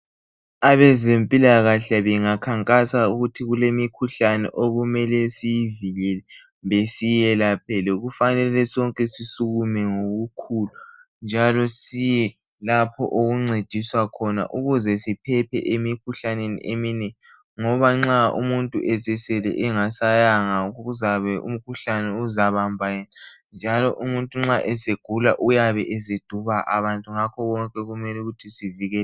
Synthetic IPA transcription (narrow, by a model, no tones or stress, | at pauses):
aβɛzempʼilaɣaɬɛβɛŋakʰaŋkʼasauɣutʰiɣulemikʰuɬanɛ̰ʔoɣumɛlɛsijivilɛlɛ | mbesijɛlap̚ʰɛloɣufanɛlɛsɔŋkʼɛsisuɣumɛŋoɣukʰulu | nd͡ʒʱalɔsijɛ | lapʰɔ̰ʔoɣuŋ͡ǀʱed̥ʱiswakʰɔna̰ʔuɣuzɛsipʰɛpʰɛʔemikʰuɬanenḭʔemineŋ | ŋɔβaŋ͡ǁaṵmuntʼuʔɛsɛsɛlɛ̰ʔɛŋasajaŋaɣuɣuzaβɛʔṵm̩kʰuɬanɛuzaβambʱajɛnand͡ʒʱalɔʔumuntʼuŋ͡ǁaʔɛseɡ̥ʱulaʔujaβɛʔɛsed̥ʱuβaʔaβantʼuŋakʰɔɣɔŋkʼɛɣumɛlɛɣutʰisiviɣɛːlɛ